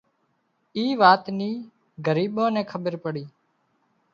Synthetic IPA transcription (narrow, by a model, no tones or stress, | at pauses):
iːʋaːt̪niː | ɡəɾiːɓõːnɛ̃ːkʰəɓəɾpəɽiː